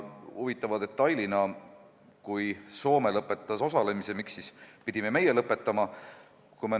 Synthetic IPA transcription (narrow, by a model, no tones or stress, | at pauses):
huvit̪ːˑɑvɑd̪e̞t̪ːˑɑjlinɑ | kujso̞ːme̞lɤpːˑe̞t̪ːˑɑso̞sɑle̞mise̞miksːispid̪̥ime̞me̞je̞lɤpːˑe̞t̪ːˑɑmɑ | kume